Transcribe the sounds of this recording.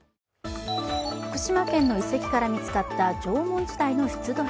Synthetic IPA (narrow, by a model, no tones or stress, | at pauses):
ɸɯ̥kɯ̟̥ɕimakẽ̞nːo̞ise̞kʲi̥kaɾamʲit͡sɨ̥kat̪ːad͡ʑo̞ːmõ̞ɲ̟d͡ʑid̪aino̞çi̥t͡sɨd̪o